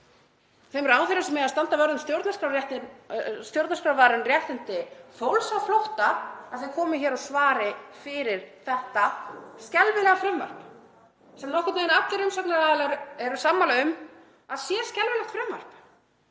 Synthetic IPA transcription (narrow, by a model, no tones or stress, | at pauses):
θejmɛɾaːwθɪɾɪsɛmːɛðast̪ant̪avœɾðʏmst̪jowɾt̪naskɾawɾjɛht̪ɪnst̪jowɾt̪naskɾawvaːɾʏnrjɛht̪ɪnt̪ɪfowlsawflowht̪aːðθvɪkʰɔːmʏçɛːɾaðsvaːɾɪfɪɾɪɾ̥θɛht̪ascɛlvɪlɛɣafɾɛmva̰r̥p | sɛmnɔhkʏt̪naːɪnat̪lɪɾʏmsap̪naɾaðɛlɾɛɾʏsaːmːalaʏm | aðsjɛ̥scɛlvɪlɛht̪fɾɛmvar̥p